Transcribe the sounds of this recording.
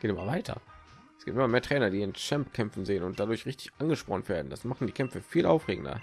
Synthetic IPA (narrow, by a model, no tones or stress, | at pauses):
ɡ̥eːtɪmɐvaɪtʰɐ̰ | ʔsɡ̥iːp̚tʔɪmɐmeːɐtʁ̥ɛːnɐdiːɪnt͡ʃɛmpkʰɛmfn̩zeːənʊnt̚d̥adʊɐçʁɪçtɪ̥çʔanɡəʃpʁɔnənveːɐdn̩d̥asmaχn̩diːkʰɛmfəfiːlʔaʊfʁ̥eːɡŋ̩dɐ̰